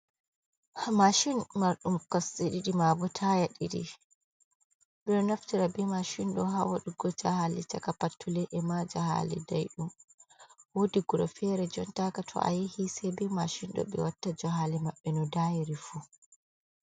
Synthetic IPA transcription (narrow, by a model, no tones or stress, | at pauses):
maʃinmaɾɗumkɔsiɗiɗimabɔtʰaːjaɗḭɗḭ | bɛnaftiɾabimaʃinɗɔɦawaɗuɡɔd͡ʒahalit͡ʃakapatʰːulɛʔɛmad͡ʒaha̰lḭdajɗum | wodiɡuɾɔfɛɾɛd͡ʒɔntakatʰɔ̰ʔa̰jɛhisɛbimaʃinɗɔ̰ɓɛ̰watːad͡ʒɔɦalimaɓːɛnɔdaːjiɾifu